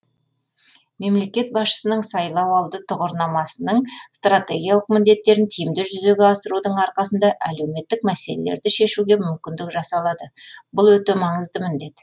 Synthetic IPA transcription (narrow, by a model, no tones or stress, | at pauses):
me̞mle̞kʲe̞t̪̚bɑsʃə̥sənəɴsɑjlˠɑwɑlˠd̪ət̪ʰʊʁəɾnɑmɑsənəɴst̪rat̪e̞ɡʲijalˠəq̚mɪnd̪e̞t̪ːe̞ɾɪnt̪ʰijɪmd̪ɪʒʏze̞ɡʲeɑsəɾud̪əɴɑɾqɑsənd̪ɑʔæle̞wme̞t̪ːɪk̚mæse̞lḛlḛɾd̪ɪʃe̞ʃuɡʲe̞mʏmkʲɪnd̪ɪkʒɑsɑlˠɑd̪əbʊlˠwɵt̪e̞mɑɴəzd̪əmɪnd̪e̞t̪